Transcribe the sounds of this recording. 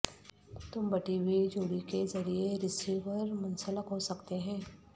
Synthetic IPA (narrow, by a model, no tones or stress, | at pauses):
t̪ʊmbɐʈibʱid͡ʒoːɽikezɐɾieɾɪsiʋəɾmʊnsələkɦosɐkt̪eɦɛ̃ː